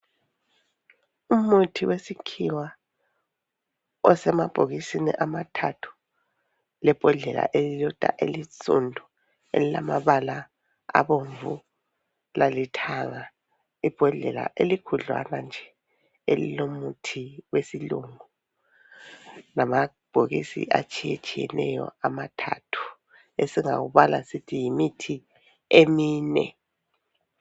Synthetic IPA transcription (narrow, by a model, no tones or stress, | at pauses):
umutʰiwesikʰiwa | ɔsɛmab̥ʱoɣisinḭʔamatʰatʰu̥ | lɛb̥ʱɔɮɛla̰ʔelilɔd̥ʱa̰ʔelisṵndʱu | ḛlilamaβala | a̰βoɱvu | lalitʰaŋa | ib̥ʱɔɮɛla̰ʔelikʰuɮwa̰nand͡ʒʱɛ | elilomutʰiwesiluŋu | nama | b̥ʱoɣisḭʔat͡ʃʼijet͡ʃʼijɛnɛjɔ̰amatʰa̰tʰu̥ | esiŋa̰ɣuβalasitʰijimitʰi | emiːnɛ̰